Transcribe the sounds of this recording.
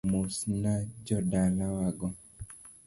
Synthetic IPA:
musnad͡ʒɔdalawaɡɔ

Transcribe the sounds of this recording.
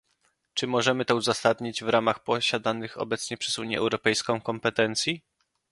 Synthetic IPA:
t͡ʂɘmɔʐɛmɘt̪ɔuzasad̪ɲid͡ʑvɾamaxpɔɕad̪anɘxɔ̰bɛt̪sɲɛpʂɛzuɲjɛ̰ʔɛwɾɔpɛjskɔ̃w̃kɔmpɛt̪ɛnt̪sʲji

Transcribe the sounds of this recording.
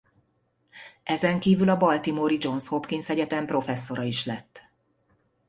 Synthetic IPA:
ɛzɛŋkiːvylɒbɒlt̪imoɾid͡ʒo̞nshopkiŋsɛɟɛt̪ɛmpro̞fɛsːo̞ɾɒiʃlɛt̪ː

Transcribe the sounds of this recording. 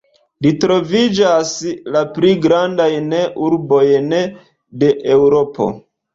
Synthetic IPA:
litɾo̞vid͡ʒaslapliɡɾandajneʔuɾbo̞jne | de̞ʔewɾo̞po̞̰

